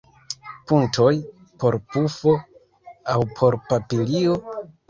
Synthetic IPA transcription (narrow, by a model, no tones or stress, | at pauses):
puntʰo̞j | po̞ɾpufo̞ | awpʰo̞ɾpapilio̞